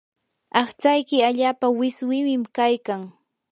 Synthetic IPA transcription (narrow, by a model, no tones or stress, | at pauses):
ɑχt͡ʃajkɪaʎaːpawɪswɪmɪmkajkaŋ